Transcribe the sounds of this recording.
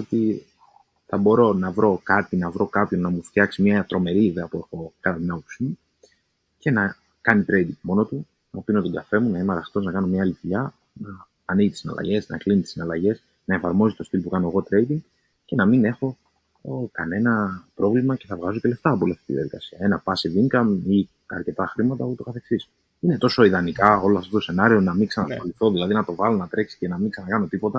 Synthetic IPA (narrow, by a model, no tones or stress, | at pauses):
ot̪i | θɐbo̞ɾo̞nɐvɾo̞kɐt̪inɐvɾo̞kɐpço̞nnɐmuft̪çɐksimɲɐt̪ɾo̞me̞ɾiːðeɐpue̞xo̞kɐt̪ɐt̪inɐppusimu | ce̞nɐ | kɐnit̪ɾe̞jd̪iŋɡmo̞no̞t̪u | nɐpinot̪oŋɡɐfe̞munɐinɐɾɐxt̪o̞znɐkɐno̞mɲɐlivuʎɐ | nɐː | niʝit̪isinɐ̰lɐ̰ʝe̞snɐ̰eklinit̪i̥sinɐlɐʝe̞s | nɐefɐɾmo̞zit̪o̞st̪ilpukɐno̞eɣo̞t̪ɾe̞jd̪iŋɡ | ce̞nɐmine̞xo̞ | kɐne̞nɐpɾo̞vlimɐce̞θɐvɣɐzo̞ce̞le̞ft̪ɐːpoliɐft̪it̪iðiɐðikɐsiɐe̞nɐpɐsiðiŋɡɐmi | ɐ̰ɾce̞t̪ɐxɾimɐt̪ɐpot̪o̞kɐθe̞ksis | ine̞t̪o̞so̞iðɐnikɐo̞loɐft̪o̞t̪o̞se̞nɐɾio̞nɐmiŋksɐnɐsfɐliθo̞ðilɐðinɐt̪o̞vɐlo̞nɐt̪ɾe̞ksi̥ce̞nɐmiŋksɐnɐkɐno̞t̪ipo̞t̪ɐ